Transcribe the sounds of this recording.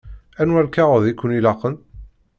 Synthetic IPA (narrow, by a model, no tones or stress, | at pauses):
ænwæɾkaʁəðikːənilɑqən